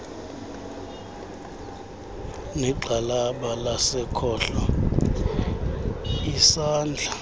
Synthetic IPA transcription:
nɛǃʱalaɓalasɛkʰɔɬɔ | isaːnd͡ɮʱa

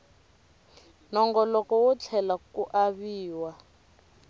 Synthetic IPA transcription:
nɔŋɡɔlɔkɔwɔt͡ɬʰɛlakuʔaβiːwa

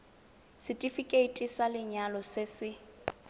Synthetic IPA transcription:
sɪtʼifikʼeitʼisalɪɲalɔsɪsɪ

